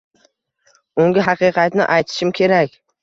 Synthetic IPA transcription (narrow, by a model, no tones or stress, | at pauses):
ʊŋɡʲɪɦɑqɨqʰɑt̪nɪ̰ʔajt̪ʰɪ̥ʃɪmkʲʰe̞ɾakʲ